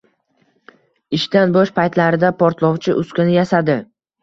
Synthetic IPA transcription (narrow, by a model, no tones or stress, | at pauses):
ɪʃt̪anbɒʃpʰajt̪laɾɪd̪apʰɒɾt̪lˠɒwt͡ʃʰɪʔʊskʲɪnɪjasad̪ɪ